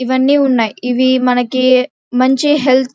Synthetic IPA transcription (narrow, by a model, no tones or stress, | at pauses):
iʋɐnːiuɳːaːjiʋimɐnɐɡe | mɐɲt͡ʃiɦelt̪